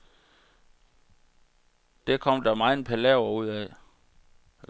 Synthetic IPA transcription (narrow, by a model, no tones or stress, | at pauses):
d̥ekʰɒ̽m̰d̥ɑmɑ̈ɪn̩pʰælɛʊɐuð̞̰ˠɛ